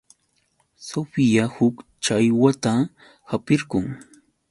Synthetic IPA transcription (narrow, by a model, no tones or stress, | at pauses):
sofɪjahʊkt͡ʃajwat̪a | hapɪɾɢʊŋ